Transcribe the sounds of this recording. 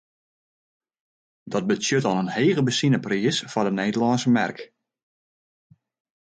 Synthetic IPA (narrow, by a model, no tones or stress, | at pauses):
dɔt̚bəsjøtɔnənheːɣəbəsinəpriəsfɔdəneːdəlɔnsəmɛ̰rk